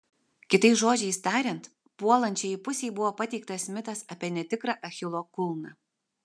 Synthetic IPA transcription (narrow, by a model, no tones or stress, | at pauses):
kʲɪt̪ɐɪsʒoːd͡ʒʲɛɪst̪ɑːɾʲɛnt̪ | puɔlˠɐnʲt͡ʃʲɛipʊsʲeːjbʊʋoːpɐt̪ʲɛɪk̚t̪ɐsmʲɪt̪ɐsɐpʲiɛnʲɛt̪ʲɪkɾɑʔɐxʲɪlˠoːkʊlˠnɑ